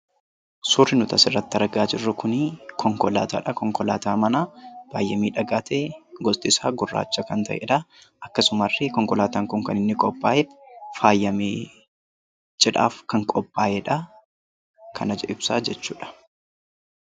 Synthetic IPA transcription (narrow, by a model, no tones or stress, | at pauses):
suːrːɪnʊt̪ɐsɪrːɐt̪ːɐɾɐɡaːd͡ʒɪrːʊkʊnɪkʰɔŋkɔla̰ːt̪a̰ːᶑɐkɔŋkɔlaːt̪aːmɐnab̥aːjːɐmiːᶑɐɡaːt̪ʰeːɡɔst̪ʼɪsaːɡʊrːa̰ːt͡ʃːɐkɐnt̪ɐ̰ʔɛ̰ᶑɐ | ʔɐkːɐsʊmɐrːɪkɔŋkɔlaːt̪aːŋkʊŋkɐnɪnːɪkʼɔpʼːaːʔɛfaːjːɐmeː | d͡ʒʼɛᶑa̰ːfkɐŋkʼɔpʼːaːʔɛᶑɐ | kʰɐnɐd͡ʒɛʔɪbsaːd͡ʒɛt͡ʃːuːᶑɐ̥